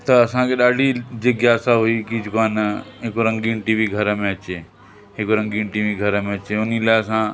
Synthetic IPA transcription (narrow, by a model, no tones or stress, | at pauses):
t̪ɐːsãkʰeɗaːɖʱid͡ʒɐɡjaːsaɦuikid͡ʒʊkaːnɦekoɾɐ̃ŋɡiːnʈiʋiɡʱɐɾəmẽɐt͡ʃeː | ɦekoɾɐ̃ŋɡiːɳʈiʋiɡʱɐɾəmẽɐt͡ʃeʊnilaɪsã